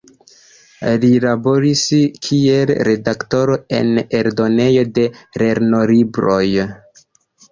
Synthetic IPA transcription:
lilabo̞ɾiskʰie̞lɾe̞dakto̞ɾo̞e̞̰ne̞ɾdo̞ne̞jo̞de̞ɾe̞ɾno̞libɾo̞j

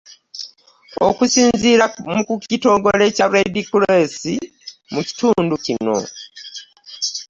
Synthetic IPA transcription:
o̰kusiːnziɾamuucito̞ːŋɡole̞caɾedikulesi | muci̥tuːnducino̞̰

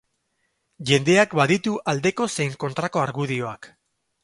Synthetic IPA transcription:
ʝe̞nd̪e̞akbaðit̪uʔald̪e̞ko̞se̞jŋko̞nt̪ɾako̞aɾɣuðio̞ak

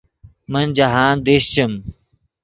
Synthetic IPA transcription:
mənd͡ʑɐɦaːnd̪eɕt͡ɕɐm

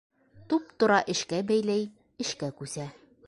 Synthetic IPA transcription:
t̪up̚t̪ŏɾɑʔɘ̆ʃkæbæjlæj | ɘ̆ʃkækʉsæ

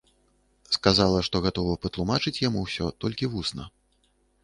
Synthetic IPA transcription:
skazalˠɐʂt̪ɔɣat̪ɔvɐpɐt̪lˠumat͡ʂɨt͡sʲjamuwsʲɔt̪ɔlʲkʲivusnɐ̰

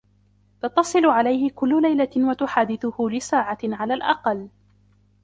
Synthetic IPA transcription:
t̪ɑt̪ːɑsˤɨlʊʕalajhɪkʊlːʊlajlawat̪ʊħaːd̪ɪθʊhʊlɪsaːʕaʕalaːlʔɑ̰qɑlː

